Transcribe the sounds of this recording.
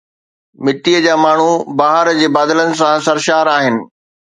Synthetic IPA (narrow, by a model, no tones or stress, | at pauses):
mɪʈiəd͡ʑaːmaːɳ̤ubaːɦəɾd͡ʑeːbaːd̪ələnɪ̆s̬ãsɐɾʃaːɾaːɦɪnɪ̆